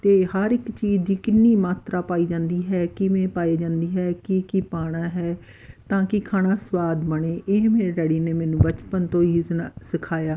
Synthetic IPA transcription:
t̪eːhəɾɪkt͡ʃiːd͡ʒd̪iːkɪnːiːmaːt̪ɾʔaːpaːiːd͡ʒãːnd̪iːɦɛːkɪmɛ̃ːpaːeːd͡ʒãːnd̪iːɦɛːkɪkipaːɽ̃aːɦɛː | t̪ãːkɪkʰaːnaːswaːd̪məɳeːʔɪɦmeːɾeːɖəɽiːneːmɛːnũːbət͡ʃpənt̪õːiːsɪkʰaːjaː

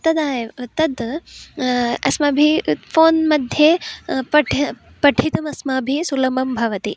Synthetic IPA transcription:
t̪ɐd̪aːɦet̪ɐd̪ | ɐ̰smɐbʱifoːnmɐd̪ʱjɐpɐʈʰ | pɐʈʰit̪ɐmɐsmabʱisulɐmɐmbʱɐʋɐt̪i

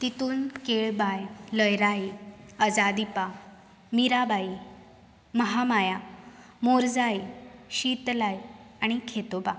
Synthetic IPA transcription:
t̪it̪uːnkeɭbajləjɾajəd͡zad̪ipa | miɾabai | məɦamaja | moɾd͡zajɕit̪lajaɽ̃ikʰet̪oba

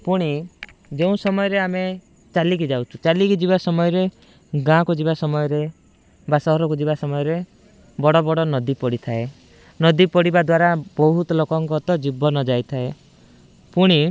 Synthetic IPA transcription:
puɽ̃id͡ʒeũsɔmɔjɔɾeame | t͡ʃalik̬id͡ʒawt͡ʃʰu̥t͡ʃalikid͡ʒibasɔmɔjɔɾe | ɡãkɔd͡ʒibasɔmɔjɔɾe | basɔɦɔɾɔkud͡ʒibasɔmɔjɔɾe | bɔɽɔbɔɽɔnɔd̪ipɔɽit̪ʰae | nɔd̪ipɔɽibad̪waɾabɔɦut̪ɔlokɔŋkɔt̪ɔd͡ʒibɔnɔd͡ʒajt̪ʰae | puɽ̃i

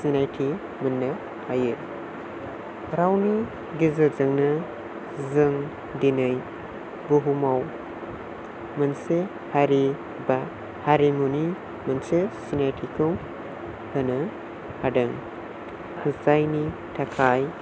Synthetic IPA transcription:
sinajtʰi | mɯnːɐ | hajɯ | ɾawni | ɡizazɯŋnɐ | zɯŋ | dinɯj | ɡuɦumaw | mɯnse | haɾi | ba | haɾimuni | mɯnsesinajtʰikʰɯw | hɯnɯ | hadɯŋ | kʰɯzajni | tʰakʰaj

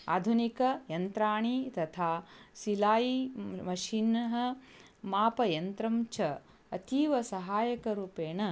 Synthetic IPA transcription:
a̰ːd̪ʱunikɐjɐnt̪ɾaːɳit̪ɐt̪ʰaːsilaːjimɐʃinɐɦɐ̆ | maːpɐjɐnt̪ɾɐmt͡ʃʰɐ | ɐt̪iːʋɐsɐɦaːjɐkɐɾuːpeːɳɐ

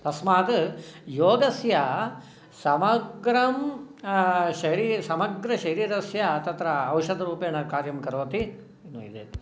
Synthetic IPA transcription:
t̪ɐsmaːt̪ɐjoːɡɐsjɐ | sɐmɐɡɾɐm | ʃɐɦɾiːsɐmɐɡɾɐʃɐɦɾiːɾɐsjɐt̪ɐt̪ɾɐːwʃɐd̪ɐɾuːpeːnɐkaːɾjɐmkɐɾoːt̪i | inːuḭd̪ḛː

